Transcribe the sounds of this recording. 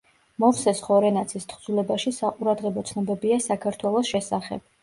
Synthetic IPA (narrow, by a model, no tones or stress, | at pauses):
mɔχsɛsχɔɾɛnat̪sʰist̪ʰχd̪zulɛbaʃisaqʼuɾad̪ʁɛbɔt̪sʰnɔbɛbiasakʰaɾt̪ʰwɛlˠɔsʃɛsaχɛ̰b̥̚